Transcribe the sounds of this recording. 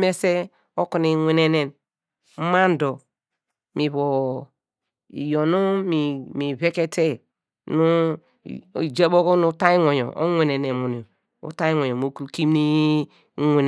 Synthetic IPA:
me˦se˦ | o˦ku˨ni˨ŋʷe˨ne˨ne˨n̩˦ | ma˦n˦do˨ | mi˨βo˨ | ḭ˨jo˨nu˦mi˨mi˨βe˦ke˦tʰe˦ | nu˦˨ | d͡ʒe˦bo˦ko˦nu˦ta˦i˦ŋʷo˨ɲo̰˨ʔo̰˦ŋʷe˨ne˨ne˨mu˨ni˨o˨ | o̰˦ta˦i˦ŋo˨o˨mo˦ku˦ki˦mni˦ | ŋʷe˨n˨

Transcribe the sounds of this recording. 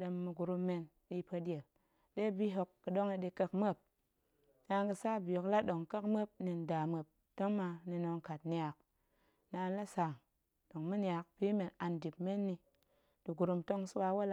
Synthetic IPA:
ɗe˧mːɨ˧ɡu˨ɾu˧mːe˧n | ɗi˦pə˧dʲe˨p | ɗe˦bi˦ɦo˧kːɨ˨ɗo˦ŋe˧ɗi˧kə˧kmə˦p̚ | na˧ŋɡɨ˧sa˦bjo˨kla˦ɗo˨ŋkə˦kmə˦p̚ni˨n˨da˨mə˨p̚ | to˦ŋma˧ni˧no˧ŋka˨tni˦˨a˨k̚ | na˧n˦la˦sa˨ŋ | ɗo˨ŋmɨ˦ni˦a˨k̚pi˦me˨na˨ndi˨pme˦nːi˧ | d̥u˨ɡu˨ɾu˧mto˦ŋsu˦wa˧wa˦l

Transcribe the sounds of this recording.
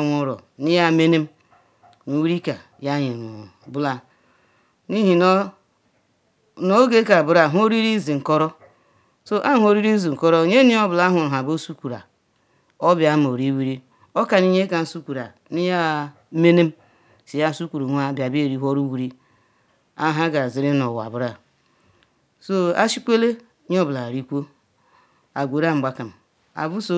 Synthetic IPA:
ŋʷʊ˨ɾɔ̰˨ni˦ja˦me˦ne˦m̩˦ | nu˨wi˦ɾi˦ka˨ | ja˦ɲi˨nu˨bʊ˦la˨ | ni˦ɦi˨n˦ | no˦ɡe˦ka˨bʊ˨ɾa˨ɦo˦ɾi˦ɾi˦zi˨ŋ̩˨kɔ˦ɾɔ˦ | so˦ʔa˦ɦo˦ɾi˦ɾi˦zi˨ŋ̩˨kɔ˦ɾɔ˦ɲe˦ni˦ɔ˦bʊ˨la˦ɦʊ˨ɾɦa˨bo˦su˦kʷu˨ɾa̰˨ | ɔ˦bja˨˦m˨o˨ɾi˦wi˦ɾi˦ | ɔ˦ka˨ni˦ɲe˦ka˨n̩˦su˦kʷu˨ɾa˨ | ni˦ja˦ | me˦ne˦m̩˦ | si˨ja˦˨su˦kʷu˨ɾu˨ŋʷ˦a˦˨bja˨be˦˨ɾi˦ɦɔ˦ɾu˦wi˨ɾi˦ | a˦ɦa˦ɡa˨zi˨ɾi˦nɔ˨wa̰˨bu˨ɾa˨ | so˦a̰˦ʃi˦kʷe˦le˦ | ɲ˦ɔ˦bla˨ɾi˦kʷo˦ | a˨ɡʷe˨ɾa˦m̩˨ɡ͡ba˦ka˨m̩˨ | a̰˨bu˦so˦

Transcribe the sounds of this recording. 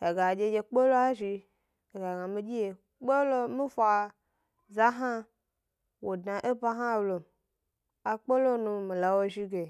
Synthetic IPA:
e˨ɡa˨d͡ʒe˨d͡ʒe˨k͡po˦lo˦a˦ʒi˧ | e˨ɡa˨ɡã˨mĩ˦d͡ʒi˦je˨ | k͡po˦lo˦mĩ˦fo˨a˨ | za˦ɦã˦ | wo˨dnã˨ʔe˦ba˦ɦã˦˨wlo˨m | a˨k͡po˦lo˦nũ˨mĩ˨la˨wo˦ʒi˦ɡe˨

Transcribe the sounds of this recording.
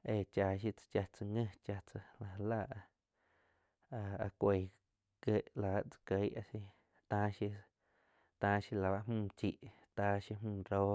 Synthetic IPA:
e˧˨t͡ʃa˧˨ʃ̬i˧t͡sḁ˧t͡ʃa˧t͡sa˧ŋə̃˦˧t͡ʃa˧t͡sa˧la˨˧la˦˧˨ʔ | a˧a̰˧kʷe˧˨ | ke˦˧˨ʔla˨a˧˨t͡sḁ˧kə˧˦ʔa˧si˧ | t̪ãː˧˦ʃi˧ | t̪ãː˧ʃi˧la˨βa˧ʔmũː˦˧˨t͡ʃiː˧˨ʔt̪aː˧ʃi˧mũː˦˧˨ɾoː˦

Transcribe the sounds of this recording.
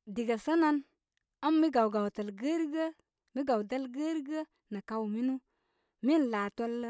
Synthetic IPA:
di˨ɡa˨sə˦na˦n | a˦mː˦i˦ɡa˨wɡa˨wtə˨lɡə˦ɾɡə˦ | mi˦ɡa˨wdə˦lɡə˦ɾɡə˦ | na˨ka˦wmi˦nu˦ | mi˦n˨la˨to˦l

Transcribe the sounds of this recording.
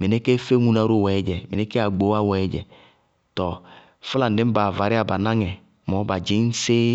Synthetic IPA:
me˨nɛ˦ke˦fe˦ŋũ˨na˨˦ɾo˦˨wɛ˨˦d͡ʒɛ˨me˨nɛ˦ke˦a˨ɡ͡bo˨˦a˦wɛ˨˦d͡ʒɛ̰˨ | tɔ˨ | fla˨n̩˨dɪ˨˦m̩˦ba˨va˨ɾɪ˦a˨ba˨nã˦ŋɛ˨ | mɔ˨˦ba˨d͡ʒɪ˨˦n̩˦se˦

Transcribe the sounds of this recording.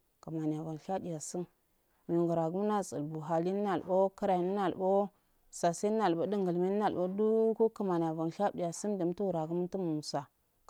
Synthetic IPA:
kə˨ma˨ni˨a˨va˨n˨ʃa˦di˨ja˨si˦n | mi˨ɡu˨ɾa˨ɡu˦m˦na˦t͡sʼə̰˨lbu˨ɦa˨li˦nə˦na˨lbo˦kə˦ɾa˨i˨nə˦na˨lbo˦ | sa˨sa˦n˦na˨lbo˦də˦ŋɡə˨lmi˦nə˦na˨lbo˦du˦ko˦kə˨ma˨ni˨a˨va˨nʃa˦di˨ja˨si˦ndə˨m˦tu˦wu˨ɾa˨ɡu˦m˦tə˦mu˨mu˨sa˨

